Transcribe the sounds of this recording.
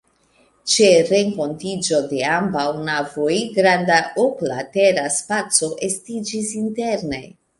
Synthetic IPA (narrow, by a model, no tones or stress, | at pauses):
t͡ʃe̞ɾe̞ŋko̞ntid͡ʒo̞de̞ambawnavojɡɾandaoplate̞ɾaspat͡so̞ʔe̞stid͡ʒisinte̞ɾne̞